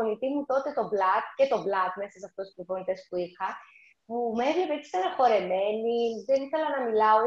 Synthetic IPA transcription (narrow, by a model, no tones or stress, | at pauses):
onit̪imut̪o̞t̪e̞t̪o̞blɐt̪ce̞t̪o̞blɐt̪me̞sɐsɐft̪ospipo̞nit̪e̞spuiɾxɐ | pumevle̞pet̪isi̥t̪ɐɾɐxo̞ɾe̞me̞niðe̞niθelɐnɐmilɐo